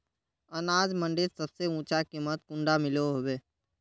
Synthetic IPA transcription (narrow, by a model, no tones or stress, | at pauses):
ənaːd͡ʒmə̃ɳɖɪɾsəbseũːt͡ʃakimət̪̚kʊ̃ɳɖamɪloɦobeː